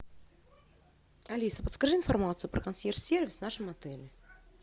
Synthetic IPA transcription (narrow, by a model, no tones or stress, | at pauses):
ɐlʲisəpət̪skaʐɨɪnfarmat̪sɨjʊpɾəkansʲersʲervʲɪsvnaʂɨmɐt̪ɛlʲɪ